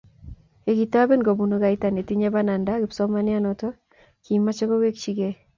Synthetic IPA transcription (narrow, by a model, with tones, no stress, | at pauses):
e˨ki˨ta˦be˦nɡo˨bu˨no˦ka˨i˦ta˨ne˨ti˦ɲe˦ba˦na˨nda˦kɪ˨psɔ˦ma˦nɪ˦a˦nɔ˨tɔ˦ | ki˨ma˦t͡ʃɔ˦ko˦we˦kt͡ʃi˦ɡe˦